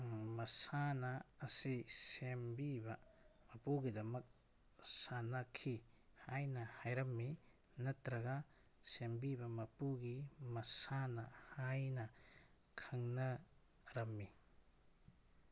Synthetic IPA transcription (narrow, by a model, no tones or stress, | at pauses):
mɐsanɐːsisembibɐmɐpuɡidɐmɐk̚ | sanɐkʰi | hajnɐhajɾɐmːi | nɐtɾɐɡɐ | sembibɐmɐpuɡimɐsanɐhajnɐ | kʰɐŋnɐ | ɾɐmːi